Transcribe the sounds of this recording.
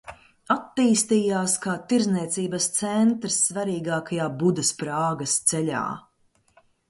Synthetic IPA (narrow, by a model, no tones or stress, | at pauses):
at̪ːiːst̪iːjaːskaːt̪iɾzniɛt̪siːbɐst̪sɛnt̪ɾsːvaɾiːɡaːkajaːbud̪ɐspɾaːɡɐst̪sɛʎʲa̰ː